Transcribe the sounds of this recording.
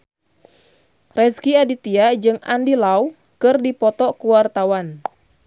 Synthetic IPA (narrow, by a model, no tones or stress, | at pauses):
rɛskiadit̪iad͡ʒɨŋandilau | kɨrdipɔt̪ɔkuwart̪awan